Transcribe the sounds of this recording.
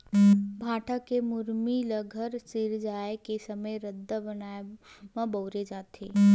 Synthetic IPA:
bʱaːʈʰəkemʊɾmiləɡʱəɾsɪɾd͡ʒaːekesəməjɾəd̪ʱːabənaːe | mə̃bəʊɾed͡ʒaːt̪eː

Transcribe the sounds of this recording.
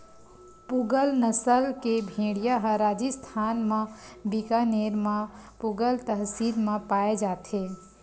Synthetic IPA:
puɡəlnəsəlkebʱeɽijaɦə̃ɾad͡ʒist̪ʰanmẽbikaneɾmẽpuɡəlt̪əɦsiɾmepaed͡ʒaːt̪e

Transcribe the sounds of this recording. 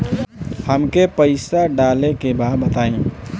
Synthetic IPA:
həmkepəɪsaɖaːlekebaːɾbət̪aːẽː

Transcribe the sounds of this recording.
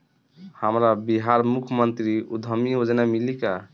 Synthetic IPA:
həmɾabiɦaɾmukʰmənt̪ɾiud̪ʱəmiod͡ʒnamilika

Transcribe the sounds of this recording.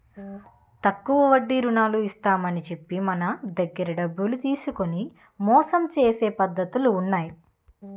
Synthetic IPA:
t̪ɐkːuʋɐʋɐɖːiɾunaːluist̪aːmɐnit͡ʃe̞pːimɐnɐd̪ɐɡːɐɾɐɖɐbːulut̪iːsuko̞ni | mɔːsɐmt͡ʃeːse̞ːpɐd̪ːɐt̪uluːnːaːji

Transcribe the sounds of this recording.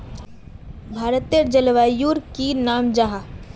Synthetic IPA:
bʱaːɾət̪ijəɾd͡ʒəlʋaːjuːɾkinaːmd͡ʒaɦa

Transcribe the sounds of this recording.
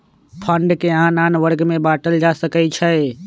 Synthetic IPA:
pʰəɳɖkeanaːnʋəɾɡmẽbaːʈəld͡ʒasəkət͡ʃʰə

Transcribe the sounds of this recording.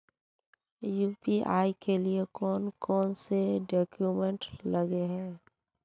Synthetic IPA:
juːpiʔaːikeliekɔːnkɔːnseɖɔːkjumẽɳʈləɡeɦɛ̃ː

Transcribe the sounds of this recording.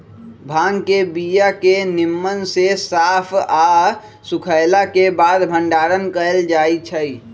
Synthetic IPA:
bʱaːŋkebijakenɪmːənsesaːpʰa | sukʰəɪlakebad̪bʱə̃ɳɖaːɾənkəeld͡ʒaːit͡ʃʰəi

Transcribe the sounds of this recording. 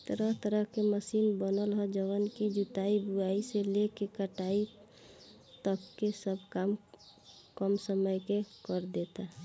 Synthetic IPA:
t̪əɾəɦt̪əɾəɦkeməsinbənəlɦɔd͡ʒəʋənkid͡ʒut̪aibuaiselekekəʈai | t̪əbkesəbʱkam | kəmsəməjkekəɾd̪et̪a

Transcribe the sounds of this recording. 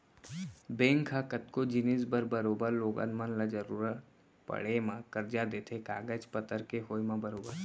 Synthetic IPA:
bẽːŋkʰakət̪kod͡ʒɪnisbəɾbəɾoːbəɾloːɡa̰nmə̃nlad͡ʒəɾuːɾət̪ | pɐ̰ɽemãkəɾd͡ʒad̪eːt̪ʰeka̰ːɡəd͡ʒpət̪əɾkeɦoːjmãbəɾoːbəɾ

